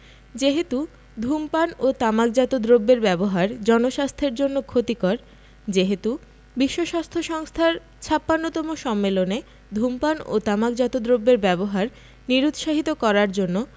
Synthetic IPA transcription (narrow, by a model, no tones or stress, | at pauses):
d͡ʑeɦet̪u | d̪ʱumpanot̪amak̚d͡ʑat̪od̪ɾobːeɾbɛboɦaɾd͡ʑɔnoʃast̪ʰeɾd͡ʑonːokʰot̪ikɔɾ | d͡ʑeɦet̪u | biʃːoʃast̪ʰoʃɔŋst̪ʰaɾ | t͡ɕʰapːanːot̪ɔmoʃɔmːelone | d̪ʱumpano̰t̪amakd͡ʑat̪od̪ɾobːeɾbɛboɦaɾ | niɾut̪ʃaɦit̪okɔɾaɾd͡ʑonːo